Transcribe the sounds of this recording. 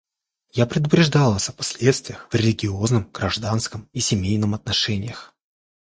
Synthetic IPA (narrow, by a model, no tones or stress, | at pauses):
japɾʲɪd̪ʊpɾʲɪʐd̪alˠəsʲɐpɐ̥sʲlʲe̞t̪st̪vʲɪjəxv̥rʲɪlʲɪɡʲɪoznɨmɡ̥ɾɐʐd̪anskəmisʲɪmʲejnɨmɐt̪nɐʂɛnʲɪjəx